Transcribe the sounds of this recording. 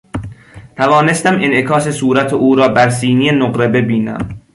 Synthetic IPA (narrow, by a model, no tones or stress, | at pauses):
t̪ʰævɒːne̞st̪æmʔenʔekʰɒːse̞suːɾæt̪ʰeʔuːɾɒːbæɾs̬iːnijenoɢɾe̞be̞biːnæ̰m